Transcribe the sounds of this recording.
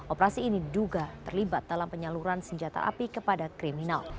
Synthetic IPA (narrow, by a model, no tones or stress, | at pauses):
ʔopəɾasiːniduɡat̪ərlibat̪̚d̥alampəɲaluɾansəɲd͡ʒat̪a̰ʔa̰pikəpadakɾiminal